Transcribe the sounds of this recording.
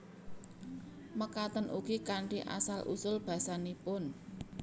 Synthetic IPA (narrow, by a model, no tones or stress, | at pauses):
məkat̪ənʔukikaɳʈiʔa̰salʔṵsʊlb̥a̤sanipʊn